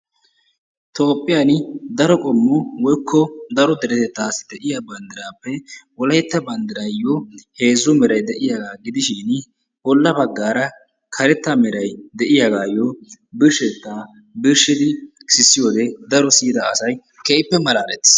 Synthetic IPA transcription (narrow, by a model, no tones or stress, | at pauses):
t̪o̞ːpʼːɪjaːnd̪ɐɾɔkʼɔmːʊwɔjkʰːɔd̪ɐɾɔd̪ɛɾɛt̪ɛt̪ːaːsɪ̥d̪ɛʔɪjabɐnd̪ɪɾaːpːɛwɔlɐjɛt̪ːɐbɐnd̪ɪɾɐjɔhe̞ːzʊmɛɾɐjd̪ɛʔɪjaːɡaːɡɪd̪ɪʃɪn | ʔɔlːɐbɐɡːaːɾɐ | kʰɐɾɛt̪ːɐmɛɾɐjd̪ɛʔɪjaːɡaːjːɔbɪɾʃɛt̪ːaː | bɪɾʃɪd̪ɪsɪsːɪjoːd̪ɛd̪ɐɾɔsiːd̪ɐɐsɐj | kɛʔɪpːɛmɐlaːɾɛt̪ːɪ̥